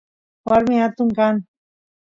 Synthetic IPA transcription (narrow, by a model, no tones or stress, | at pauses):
waɾmɪhat̪ʊŋkaŋ